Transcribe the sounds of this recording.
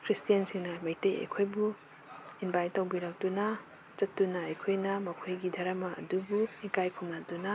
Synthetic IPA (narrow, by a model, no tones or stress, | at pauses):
kʰɾistijɐnsiŋnamɐjtejɐ̰jkʰojbu | inbajtawbiɾak̚tuna | t͡ʃɐtːunaːjkʰojnɐmɐkʰojɡidʱɐɾɐmaɐ̰dubuikajkʰumnatuna